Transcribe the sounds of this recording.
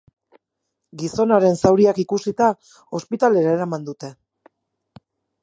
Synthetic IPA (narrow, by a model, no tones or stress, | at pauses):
ɡiso̞naɾe̞nsawɾiakikusit̪a | o̞spit̪ale̞ɾae̞ɾamand̪ut̪e̞